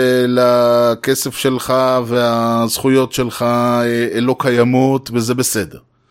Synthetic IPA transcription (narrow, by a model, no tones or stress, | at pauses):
lakesefʃe̞lχaveazχujo̞tʃe̞lχaeelo̞kajamotvezebesede̞ʁ